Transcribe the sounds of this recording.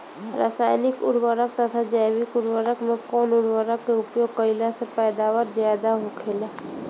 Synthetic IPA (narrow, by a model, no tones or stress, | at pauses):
ɾə̰saːjnɪkʊ̰ɽwəɾək̚t̪ət̪ʰad͡ʒɛːwɪkʊɽwəɾəkmẽkɔːnʊɽwəɾəkːeʊpjoːɡkəɪlasepɛːd̪aːwəɾzjaːd̪aɦokʰeːlaː